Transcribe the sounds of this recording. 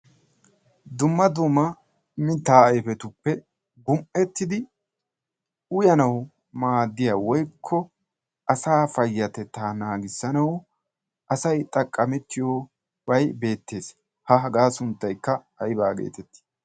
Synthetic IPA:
d̪ʊmːɐd̪ʊmːɐ | mɪt̪ːaːɐjfɛt̪ʊpːɛ | ɡʊmʔɛt̪ːɪd̪ɪ | ʊjɐnɐw | maːd̪ːɪjawɔjkʰːɔ | ʔɐsaːfɐjːɐt̪ɛt̪ːaːnaːɡɪsːɐnɐw | ʔɐsɐjt̪ʼɐkʼːɐmɛt̪ːɪjoː | wɐjbe̞ːt̪ːe̞ːs | hɐɦɐɡaːsʊnt̪ːɐjkːɐ | ɐjɪbaːɡḛːt̪ɛt̪ːɪ̥

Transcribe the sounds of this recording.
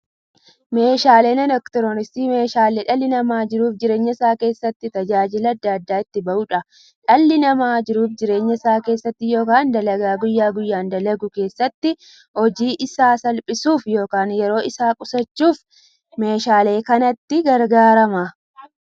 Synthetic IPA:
me̞ːʃaːleːnɛnɐkt̪ɔɾɔnɪst̪iːme̞ːʃaːleːᶑɐlːɪnɐmaːd͡ʒɪɾuːfd͡ʒɪɾe̞ːɲːɐɪsaːke̞ːsːɐt̪ːɪt̪ɐd͡ʒaːd͡ʒɪlɐɐd̪ːaːɐd̪ːaːɪt̪ːɪbɐʔʊᶑɐ | ᶑɐlːɪnɐmaːd͡ʒɪɾuːfd͡ʒɪɾe̞ːɲːɐɪsaːke̞ːsːɐt̪ːɪjo̞ːkaːnd̪ɐlɐɡaːɡʊjːaːɡʊjːaːnd̪ɐlɐɡʊke̞ːsːɐt̪ːɪ | hɔd͡ʒiːʔɪsaːsɐlpʼɪsuːfjo̞ːkaːnjɛɾo̞ːɪsaːkʼʊsɐt͡ʃːuːf | me̞ːʃaːle̞ːkɐnɐt̪ːɪɡɐɾɡaːɾɐmɐ

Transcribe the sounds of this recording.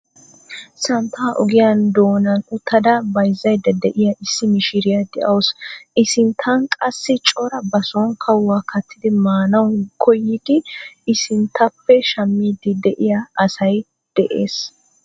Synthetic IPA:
sɐnt̪ʰːaːʔɔɡɪjand̪oːnɐnʊt̪ːɐd̪ɐbɐjzːɐjd̪ɐd̪ɛʔɪjɐʔɪsːɪmɪʃɪɾɪjɐd̪ɛʔɐwsɪsɪnt̪ʰɐnkʼɐsːɪt͡ʃʼɔɾɐbɐsɔnkʰɐwːaːkʰɐt̪ːɪd̪ɪmaːnɐwnkʰɔjːɪd̪ɪɪsɪnt̪ʰːɐpːɛʃɐmːiːd̪ɪd̪ɛʔɪjaʔːsɐj | d̪̥ɛʔḛːs

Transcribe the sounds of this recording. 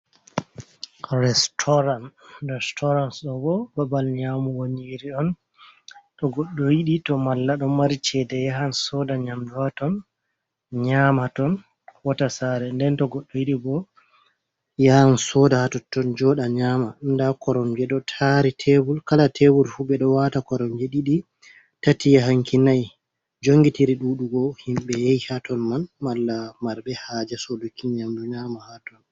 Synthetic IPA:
ɾɛstʰɔɾanrɛstʰɔɾansɗɔbɔbabalɲaːmuwoɲiɾiɗɔn | tɔɡɔɗːɔjiɗitɔmalːaɗɔmaɾit͡ʃɛdɛjaɦansɔdaɲamduwatɔn | ɲaːmatɔn | watasaɾɛndɛntɔɡɔɗːɔjiɗibɔ | jansɔdahatɔtːɔnd͡ʒɔɗaɲamandakɔɾɔmd͡ʒɛɗɔtʰaɾitʰewulkalatʰewulfubɛɗɔwatakɔɾɔmd͡ʒeɗiɗi | tatijaɦaŋkinaj | d͡ʒoŋɡitiɾiɗuɗuɡɔhimɓɛjejhatɔnmanmalːamaɾbɛhaːd͡ʒɛsodukːiɲamduɲaːmahatɔn

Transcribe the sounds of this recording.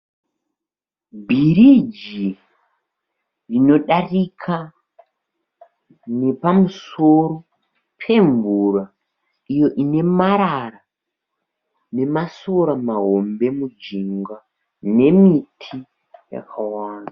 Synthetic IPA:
bʱirid͡ʒi | rino̞ɗarikʰa | ne̞pamuso̞ɾo̞ | pʰe̞ɱvura | ijo̞ʔine̞maɾara | ne̞maso̞ɾamaɦo̞mbe̞mud͡ʒiŋɡa | ne̞mitʰi | ja̰kʰawaːnda

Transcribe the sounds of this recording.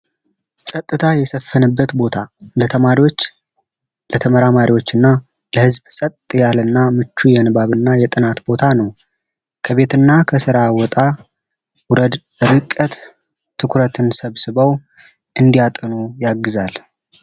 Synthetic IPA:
sʼət̪ʼːɨt̪ʰajɛsəfːənɨbːət̪bo̞t̪ʰalət̪ʰəmaɾiwo̞t͡ʃː | lət̪ʰəməɾamaɾiwo̞t͡ʃːɨnːa | ləhɨzbsʼət̪ːʼjalɨnːamɨt͡ʃːujɛnɨbaβɨnːajɛt̪ʼɨnat̪bo̞t̪ʰanəw | kʰəβe̞t̪ɨnːakʰəsɨɾawɔt̪ʼa | wʊɾəd̪ | ɨɾɨkʼːət̪ | t̪ʰːɨkɾət̪ʰɨnsəβsɨβəw | ʔɨnd̪ijat̪ʼɨnujaɡːɨzal

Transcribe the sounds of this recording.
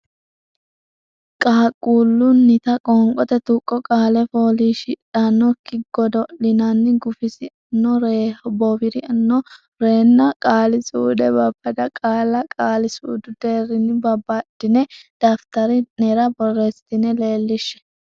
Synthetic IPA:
kʼaːkʼːuːlːʊnːɪt̪ɐkʼɔŋkʼɔt̪ɛt̪ukʼːɔkʼaːlɛfoːliːʃɪᶑanːɔkːɪɡɔd̪ɔlɪnɐnːɪɡʊfɪsɪɐnːɔɾebɔbɪɾɪɐnːɔ | ɾe̞ːnːɐkʼaːlɪsuːd̪ɛbɐbːɐd̪ɐkʼaːlɐkʼaːlɪsṵːd̪ʊd̪eːɾɪnɪbɐbːɐd̪̥ɪnɛd̪̥aːft̪ɐɾɪnɛɾɐbɔrːest̪ɪnɛle̞ːlːɪʃːɛ̥

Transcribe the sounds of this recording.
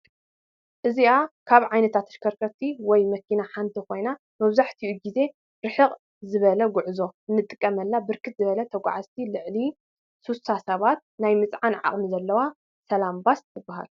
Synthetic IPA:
ʔɨziʔakʰaβʕajnɐt̪ʰat̪ɨ̥ʃkʰɐɾkʰɐt̪ʰːiwɔjmɐkʰinaħant̪ʰikʰo̞jna | mɐβzaħt̪ʰiʔuɡize̞ | ɾɨħɨqʼ | zɨβɐlɐɡʊʕzo̞ɨnːɨt̪ʼːɨkʼːɐmɐlːabɨɾkʰɨt̪̚zɨβɐlɐt̪ʰɐɡʷa̰ʕazt̪ʰilɨʕli | susasɐβat̪̚najmɨt͡sʼʕanʕa̰χʼmizɐlːɐwa | sɐlambast̪ʰɨbːaɦa̰l

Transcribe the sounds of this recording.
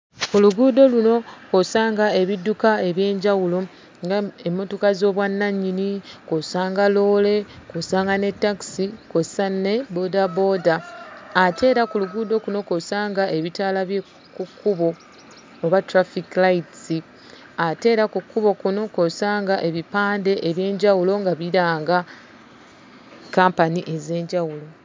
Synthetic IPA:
kuluɡuːdo̞luno̞kosaːŋɡae̞βidːukae̞βje̞ːɲɟawulo̞ | ŋɡaemːo̞tokazo̞ːβwanːaɲːinikosaːŋɡalo̞ːle̞kosaːŋɡane̞tːaksikosanːe̞bo̞dabo̞ːdaː | tʰe̞ːɾakuluɡuːdo̞kuno̞ko̞saːŋɡaʔe̞βitaːlaβje | kukːuβo̞ː | βatuɾafiklajtsi | ate̞ːɾakukːuβo̞kuno̞kosaːŋɡaʔe̞βipaːnde̞ʔeβje̞ːɲɟawulo̞ŋɡaβiɾaːŋɡa | kaːmpaniʔe̞ze̞ːɲɟawulo̞

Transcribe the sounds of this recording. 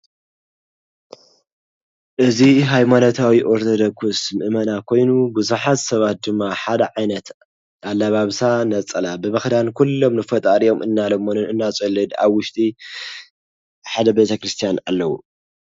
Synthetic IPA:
ʔɨziɦajmanot̪ʰawiʔoɾt̪ʰod̪okʰusmɨʔmɐnakʰo̞jnubɨzuħat̪sɐβat̪̚d̪ɨmːaħad̪ɐʕajnɐt̪ | ʔalːaβaβsanɐt͡sʼɐlabɨmɨxd̪ankʰulːo̞mnɨfɐt̪ʼaɾijo̞mʔɨnːalɐmːonɨnɨnːat͡sʼulːɨd̪a̰βwʊʃt̪ʼi | ħad̪ɐbet̪ʰɐkɾɨst̪ʰijanalːɐwṵ

